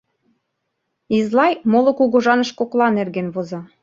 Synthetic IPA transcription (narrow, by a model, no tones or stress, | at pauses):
izlɑjmolŏkuɣoʒɑnɤ̆ʃkoklɑnerɣenβozɑ